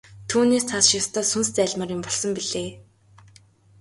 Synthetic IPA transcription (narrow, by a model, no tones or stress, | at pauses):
t̪ʰuːneːst͡sʰasʃjast̪ʰœːsunst͡sæːɮmărʊmpɔɮsɞ̆mpiɮeː